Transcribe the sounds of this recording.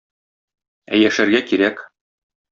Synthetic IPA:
æ̰jæʃæɾɡækiɾæk

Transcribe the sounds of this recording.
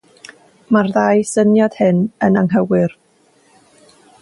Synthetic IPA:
marðajsənjɔd̥hɪnənaŋɦəwɪr

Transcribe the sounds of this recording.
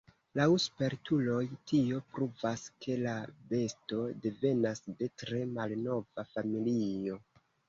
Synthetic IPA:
lawuspe̞ɾtulo̞jtio̞pɾuvaske̞labe̞sto̞de̞ve̞nasde̞tɾe̞malno̞vafamilio̞

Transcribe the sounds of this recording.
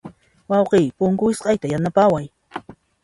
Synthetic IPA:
wɑwqɪjpʊŋkʊjɪsqɑjt̪ajanapawaj

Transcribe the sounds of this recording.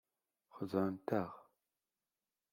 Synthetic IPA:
χəzaːntʰaʁ

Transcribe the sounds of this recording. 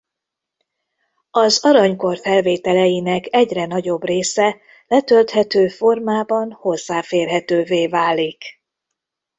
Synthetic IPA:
ɒzɒɾɒɲko̞rfɛlveːt̪ɛlɛjinɛkɛɟrɛnɒɟo̞breːsɛ | lɛt̪ølt̪hɛt̪øːfo̞rmaːbɒnho̞zːaːfeːrɦɛt̪øːveːvaːlːik

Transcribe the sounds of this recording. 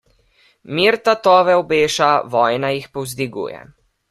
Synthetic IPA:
miːɾt̪at̪ɔːʋɛɔbeːʃaʋɔːjnajixpɔwzd̪iɡṵːjɛ̰

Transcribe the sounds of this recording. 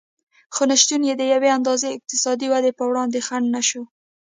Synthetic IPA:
xonaʃt̪unjed̪əjaweand̪ɑzeɪq̚t̪ɪsɑd̪iwad̪epəwɽɑnd̪exaɳɖnaʃo

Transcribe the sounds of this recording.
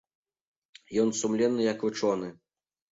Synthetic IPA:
jɔnsumlʲɛnːɨjɐkvɨt͡ʂɔnɨ

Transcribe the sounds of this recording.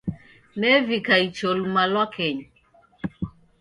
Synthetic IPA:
nɛvikait͡ʃolmalwakʰɛɲ

